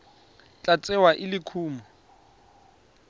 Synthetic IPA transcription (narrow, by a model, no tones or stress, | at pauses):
t͡ɬʼat͡sʼɛwaʔɪlɪkʰuːma